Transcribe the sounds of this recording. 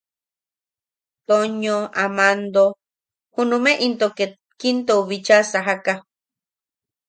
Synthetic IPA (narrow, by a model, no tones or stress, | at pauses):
t̪oɲõamãnd̪o | hunũmẽʔint̪oke | kint̪ouβit͡ʃasaɦaka